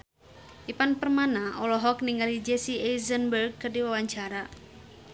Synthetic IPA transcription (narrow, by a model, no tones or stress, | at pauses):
ʔipanpərmanaʔɔlɔɦɔkniŋɡalid͡ʒɛsiɛizənbərɡ̚kədiwawaɲt͡ʃaɾa